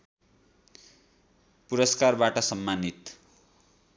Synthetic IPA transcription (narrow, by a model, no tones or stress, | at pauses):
puɾʌskarbaʈʌsʌmːanit̪